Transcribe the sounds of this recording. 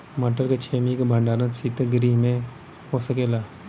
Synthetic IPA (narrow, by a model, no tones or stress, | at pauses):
mɐʈəɾket͡ʃʰeːmikbʱə̃ɳɖaːɾənsit̪eɡɾimẽ | ɦosəkeːlaː